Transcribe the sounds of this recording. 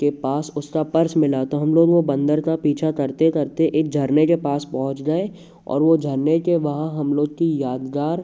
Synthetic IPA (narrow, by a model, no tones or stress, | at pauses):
kepaːsʊskapɐɾsmɪlat̪oɦɐmloːɡʋobɐ̃nd̪əɾk̪apiːt͡ʃʰakɐɾt̪ekɐɾt̪eʔeːk̚d͡ʒʱɐɾnekepaːspɐɦʊ̃t͡ʃɡae | ɔ̰ːɾʋod͡ʒʱɐɾnekeʋɐɦãɦɐmloːɡ̚kijaːd̪ɡ̪aːɾ